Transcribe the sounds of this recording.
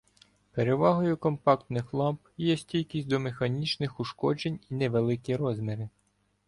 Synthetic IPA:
peɾeʋɑɦɔjʊkɔmpɑkt̪nɪxlˠɑmpjɛsʲtʲilʲkʲisʲtʲd̪ɔmexɐnʲit͡ʃnɪxʊʃkɔd͡ʒenʲineʋelˠɪkʲiɾɔzmʲɛɾɪ

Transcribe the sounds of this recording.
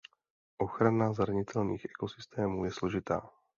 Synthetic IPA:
ʔɔxɾanazɾaɲit̪ɛlnḭːɣɛkɔsi̥st̪ɛːmuːjɛslɔʒit̪a̰ː

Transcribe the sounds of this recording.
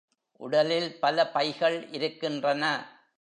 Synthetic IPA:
ʔʊ̰ɽɐlɪlpɐlɐpɐɪɣɐɭɪɾɯkːɪndrɐnɐ

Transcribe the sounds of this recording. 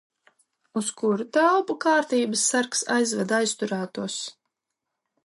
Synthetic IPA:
uskuɾut̪awpukaːɾt̪iːbəsːaɾksa̰jzvad̪ajst̪uɾaːt̪uɔs

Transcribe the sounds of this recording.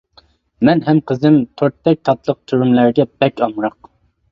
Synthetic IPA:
mɛnɦɛmqʰəzɪmt̪ʰoɾt̪ːɛk̚ʲt̪ʰɑt̪lˠəq̚t̪ʰyɾymlæɾɡʲɛb̥ɛkʲɑmɾɑq̚

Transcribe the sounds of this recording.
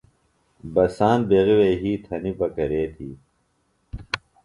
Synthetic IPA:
bɐsaːnbeɣiweːɦiːt̪ʰɐnibɐkɐɾeːt̪ʰḭː

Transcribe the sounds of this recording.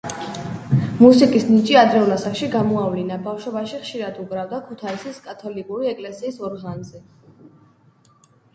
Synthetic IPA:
musikʼisnit͡ʃʼiad̪ɾɛulasakʃiɡamɔavlinabafʃɔbaʃiχʃiɾad̪uɡɾavd̪akʰut̪ʰaisiskʼat̪ʰɔlikʼuɾiɛkʼlɛsiːsɔɾʁanzɛ

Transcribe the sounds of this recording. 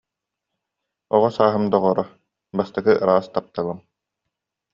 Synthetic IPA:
ɔʁɔsaːɦɯmd̪ɔʁɔɾɔ | bast̪aɡɯʔɯɾaːst̪ap̚t̪alˠɯm

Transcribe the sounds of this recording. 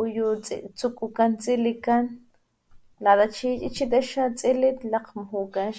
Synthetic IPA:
ujut͡st͡sukʼukant͡sʼilikan | lad̪at͡ʃiːt͡ʃʼit͡ʃit̪aʃat͡sʼilit̪laqmaɦukanʃ

